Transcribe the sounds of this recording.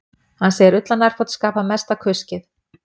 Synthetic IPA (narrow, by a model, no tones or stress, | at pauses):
hanseːjɪɾʏt̪lanːaɾ̥fɔt̪skaːpamɛst̪akʰʏscɪθ